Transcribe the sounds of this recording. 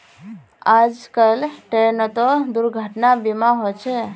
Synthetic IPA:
ad͡ʒkəlʈenət̪od̪ʊɾɡʱəʈnabimãɦojt͡ʃʰe

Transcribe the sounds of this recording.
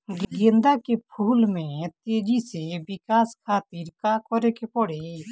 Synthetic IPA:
ɡɡẽnd̪akepʰuːlmẽt̪eːd͡ʒisebɪkaːskʰaːt̪iɾkakɔɾekepɔɽe

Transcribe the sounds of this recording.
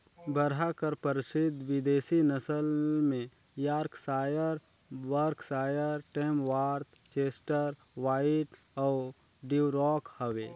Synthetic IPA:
bəɾɦakəɾpəɾɪsɪd̪ʱʋɪd̪eːsinəsəlmẽ | jaːɾksaːjəɾ | wəɾksaːjəɾʈeːmʋaːɾt̪ | t͡ʃeːsʈəɾ | waːɪʈ | ɔ | ɖiwɾɔːkhəwḛː

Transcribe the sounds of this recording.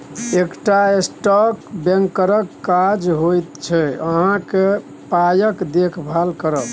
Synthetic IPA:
ekʈaesʈɔkbeŋkːəɾəkːad͡ʒɦojt̪t͡ʃʰɛəɦãke | pajəkd̪ekʰbʱalkəɾət

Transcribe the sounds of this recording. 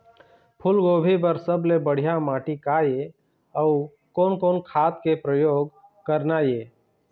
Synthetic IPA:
pʰʊlɡoːbʱip̬əɾsəblebəɽ̤ijamaːʈikaːje | ɔʊ | koːnkoːnkʰaːt̪kepɾəjoːɡ | kəɾnajeː

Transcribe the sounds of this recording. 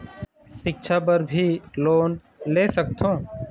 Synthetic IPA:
sɪk̚ʃʰapəɾbʱiloːn | leːsək̚t̪ʰõː

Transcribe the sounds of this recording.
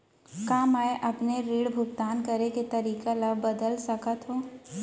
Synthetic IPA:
kaːmaːjʔɐpneɾiːɽbʱʊk̚t̪aːnkɐɾeket̪ɐɾiːkalɐbbɐd̪əlsɐkət̪ɦõː

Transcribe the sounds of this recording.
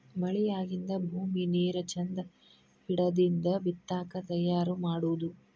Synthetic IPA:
mɐɭijaːɡind̪ɐbʱuːmineːɾɐt͡ʃɐnd̪ɐ | piɽɐd̪ind̪ɐbit̪ːaːkɐt̪ɐjːaːɾumaːɽuʋud̪u

